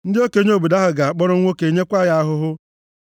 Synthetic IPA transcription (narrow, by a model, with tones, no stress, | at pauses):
n̩˦dɪ˦o˦ke˨˦ɲ˦o˨bu˨da˦ɦʊ˨ɡa˨k͡pɔ˦ɾʊ˦ŋʷo˦ke˨˦ɲe˦kʷa˦˨ja˦a˦ɦʊ˦ɦʊ˦